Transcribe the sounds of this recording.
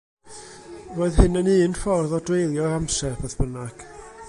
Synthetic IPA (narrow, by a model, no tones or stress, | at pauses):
voɨðɦɨnəniːnfɔrðɔdwejlˠjɔɾamsɛbɛðb̥ənaɡ̥